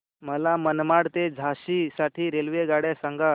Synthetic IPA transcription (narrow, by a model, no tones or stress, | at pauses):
məlamənmaɽt̪ed͡zʱaɕisaʈʰiːɾelʋeɡaɽjasãŋɡa